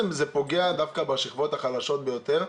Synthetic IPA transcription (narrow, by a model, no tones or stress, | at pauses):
mzepo̞ɡe̞ad̪afkabaʃiχvo̞t̪haχalaʃo̞t̪bejot̪e̞ʁ